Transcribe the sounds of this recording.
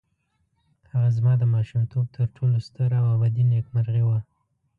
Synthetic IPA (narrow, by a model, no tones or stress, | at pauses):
haɣazmɑd̪əmɑʃumt̪ʰob̚t̪ʰəɾʈʰolost̪əɾawabad̪inekmaɾɣiwa